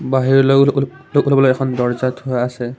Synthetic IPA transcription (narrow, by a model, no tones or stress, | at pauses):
baɦiɹlo | lokulbɔloɛkʰɔnd̪ɔɹzat̪hojasɛ